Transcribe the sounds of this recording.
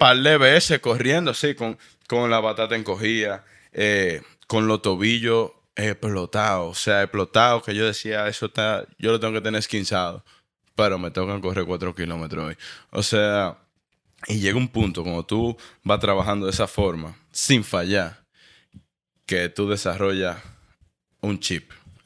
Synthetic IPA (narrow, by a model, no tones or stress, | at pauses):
paleβeeseko̞rjend̪osikoŋ | ko̞ŋlapat̪at̪ae̞ŋko̞ɦiða | e | ko̞nlo̞t̪o̞βiʝo̞ | eplo̞t̪aoːseaeplo̞t̪aokeʝo̞ðe̞siaesot̪aʝo̞lot̪eŋɡo̞ke̞t̪eneɾeskinsaðo̞̰ | peɾo̞me̞t̪o̞kaŋko̞re̞ɾkwat̪ɾo̞kilo̞met̪ɾoojo̰sea | iʝe̞ɣumpunt̪okomot̪ubast̪ɾaβaɦand̪o̞ðesafo̞ɾma | siɱfaʝaɾ | ke̞t̪uðe̞saro̞ʝa | unt͡ʃip̚